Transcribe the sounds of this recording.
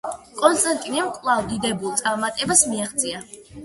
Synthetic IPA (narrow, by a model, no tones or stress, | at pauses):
kʼɔnst̪ʼant̪ʼinɛmkʼvlˠavd̪id̪ɛbulˠt̪sʼaɾmat̪ʼɛbasmiaχt̪sʼia